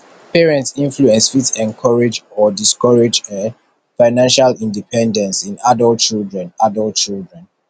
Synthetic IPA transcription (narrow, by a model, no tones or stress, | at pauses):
pʰɛɹɛ̃ntsĩnfluɛ̃nsfitɛ̃nkʰɔɹed͡ʒɔdiskɔɹed͡ʒə | faɪnãnʃalĩndipʰɛ̃ndɛ̃nsĩnadɔlt̚t͡ʃildɹɛ̃nadɔlt̚t͡ʃildɹɛ̃n